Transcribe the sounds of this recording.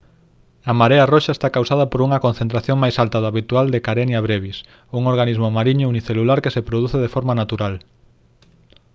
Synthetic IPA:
amaɾearoʃaest̪akawsað̞ɐpoɾuŋɐkõn̟θent̪ɾaθjoŋmajsalt̪aðoaβit̪uald̪ekaɾenjaβɾeβis | uŋoɾɣanizmomaɾiɲouniθelulaɾkesepɾoðuθeð̞efɔɾmanat̪uɾal

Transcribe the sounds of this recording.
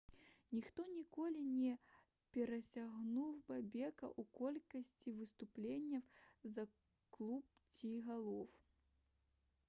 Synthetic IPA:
nʲixt̪ɔnʲikɔlʲinʲɛ | pʲɛɾɐsʲaɣnuwbabʲɛkɐ̰ʔukɔlʲkɐsʲt͡sʲivɨst̪uplʲenʲːɐzɐ | klˠup̚t͡sʲiɣalˠɔw

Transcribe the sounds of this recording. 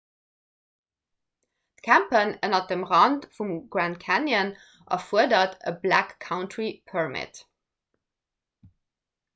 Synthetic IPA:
tkʰæmpənənɐt̚dəmʁɑntfumɡ̥ɹæntkʰænjən | ʔɑ̰fuədɐtə̰blækʰːaʊntʰɹipʰəɹmɪ̰t

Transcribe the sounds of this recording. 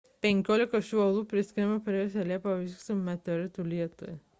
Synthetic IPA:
pʲɛŋʲkʲoːlʲɪkɐʃʲuɔlˠuːpʲɾʲɪsʲkʲɾʲɪmɐpʲɾʲɛsʲɛlʲeːpɐʋʲiksʊmʲɛt̪ʲɔɾʲɪt̪ulʲiɛt̪ṵjɛ

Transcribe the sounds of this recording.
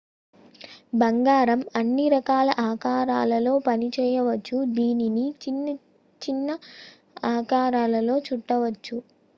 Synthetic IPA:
bɐŋɡaːɾɐmɐnːiɾɐkaːlɐʔaːkaːɾaːlɐlo̞ːpɐnit͡ʃɛːjɐʋɐt͡ʃːud̪iːninii | t͡ʃinːɐ | aːkaːɾaːlɐlo̞ːt͡ʃuʈːɐʋɐt͡ʃːu

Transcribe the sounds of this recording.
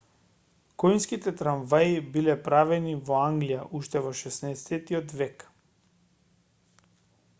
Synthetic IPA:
kɔjnskit̪ɛt̪ɾaɱvaibilɛpɾavɛnivɔaŋɡlijaʔuʃt̪ɛvɔʃɛsnɛɛsɛt̪iɔt̪vɛk

